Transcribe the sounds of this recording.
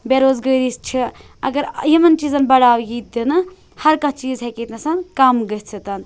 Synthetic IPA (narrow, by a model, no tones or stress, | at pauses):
beɾoːzɡəɾist͡ʃʰi | ɐ̰ɡɐɾjimɐnt͡ʃiːzɐnbɐɽaːwjit̪̚d̪inɨ | hɐɾkɐ̃t͡ʃiːzɦekiːt̪nɐsɐnkamɡɐɦt͡sʰit̪ɐn